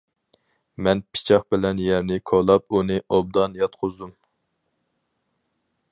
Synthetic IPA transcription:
mɛnpʰi̥t͡ʃʰɑχbɪlɛnjɛɾnɪkʰolˠɑp̚unɨʔob̚d̪ɑnjɑt̪qʰozd̪um

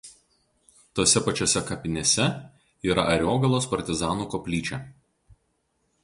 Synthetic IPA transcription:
t̪oːsʲɛpɐt͡ʃʲoːsʲɛkɐpʲɪnʲesʲɛ | iːɾɐʔɐɾʲoːɡɐlˠoːspɐɾʲt̪ʲɪzɑːnuːkoːpʲlʲiːt͡ʃʲɛ

